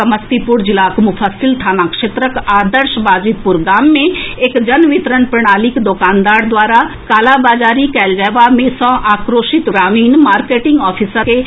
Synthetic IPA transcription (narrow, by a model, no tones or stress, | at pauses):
ɐməst̪ipʊɾd͡ʒɪlaːkmufʰəsɪlt̪ʰaːnaːkʃet̪ɾəkaːd̪əɾʃbaːd͡ʒipʊɾɡaːmːẽeːkd͡ʒənʋɪt̪ɾənpɾəɽ̃aːlɪkd̪oːkaːnd̪aːɾd̪waːɾakaːlabaːd͡ʒaːɾikɛːld͡ʒɛːʋamẽsɔ̃ːʔaːkɾoːʃɪt̪ɡɾaːʋiːnmaːɾkeːʈɪ̃ŋɡɔːpʰisəɾke